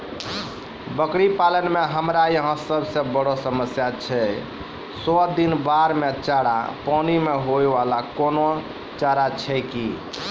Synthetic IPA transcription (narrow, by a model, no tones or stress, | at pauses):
bəkɽipalənmeɦəmɾajəɦə̃səbsə̃bəɽɔsəməsjat͡ʃʰɛ | sɔd̪inbaɾmet͡ʃaɽa̰pɔnimeɦoebalakono | t͡ʃaɾat͡ʃʰɛki